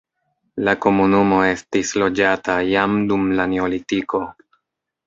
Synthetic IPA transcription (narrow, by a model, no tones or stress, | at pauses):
lako̞munumo̞e̞stislo̞d͡ʒatajamdumlane̞olitiko̞